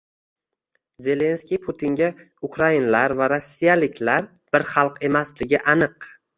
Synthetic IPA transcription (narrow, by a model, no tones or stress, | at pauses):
ze̞le̞nskʲijpʰʊt̪ʰɪŋɡʲa | ʊkɾainalaɾvaɾosːijalɪkʲlaɾ | b̥ɪɾχɑlˠqe̞maslɪɡʲɪʔanɨq